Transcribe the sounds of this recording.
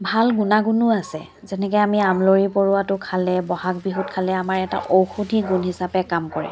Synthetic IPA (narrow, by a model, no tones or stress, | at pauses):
bʱalɡunaɡunʊasɛ̰ | zɛnɛkɔjamiamloɹipoɹuwatʊkʰalɛbɔhakbiɦutkʰalɛamaɹɛta̰ʔowxudʱiɡunhisapɛkamkɔɹɛ̰